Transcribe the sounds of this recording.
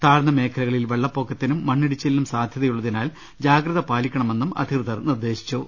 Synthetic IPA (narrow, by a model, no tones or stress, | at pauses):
t̪aːrnɐme̞ːkʰɐlɐɣɐɭilʋeɭːɐpːo̞ːkʰːɐt̪ːinumːɐɳːiɽit͡ɕːelːumsaːd̪ʱjɐðɐjuɭːɐðinaːl | d͡ʑaːɡɾɐðɐpaːlikʲːɐɳɐme̞nːumɐ̰d̪ʱikrɨðɐrnird̪e̞ːɕi̥t͡ɕːu